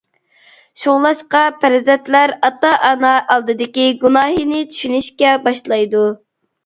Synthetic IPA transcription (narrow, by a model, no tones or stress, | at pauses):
ʃoʁlˠɑʃqɑpʰæɾzɛt̪læɾɑt̪ɑʔɑnɑʔɑlˠd̪ɨd̪ɪkʲiɡunɑːɦinɪt͡ʃ̪ʰy̥ʃynyʃkʲɛbɑʃlˠɑjd̪u